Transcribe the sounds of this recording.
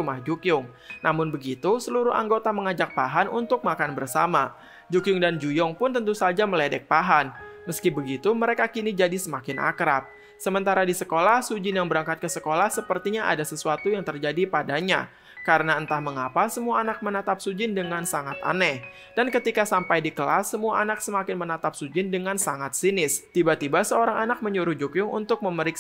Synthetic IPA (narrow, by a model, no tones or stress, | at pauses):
umahd͡ʒukjʊŋ | nʔamʊnbəɡit̪usəluɾʊha̰ŋɡot̪aməŋad͡ʒak̚paɦanʔunt̪ʊk̚makanbərsama | d͡ʒukjʊŋdand͡ʒujɔŋpʊnt̪ənt̪usald͡ʒaməlɛdɛk̚paɦanməskibəɡit̪uməɾekakinid͡ʒadisəmakɪnʔa̰kɾap̚ | səmənt̪aɾadisəkolahsud͡ʒɪnjaŋbəɾaŋkat̪̚kəsəkolahsəpərt̪iɲaʔa̰dasəsuat̪ujaŋt̪ərd͡ʒadipadaɲa̰ | kaɾənaənt̪ahməŋapasəmuaːnak̚mənat̪ap̚sud͡ʒɪndəŋansaŋat̪a̰nɛh | d̥ankət̪ikasampajdikəlasːəmuaʔanak̚səmakɪnmənat̪ap̚sud͡ʒɪndəŋansaŋat̪̚sinɪst̪ibat̪ibasəoɾaŋanak̚məɲuɾuhd͡ʒukjʊŋṵnt̪ʊk̚məməɾɪk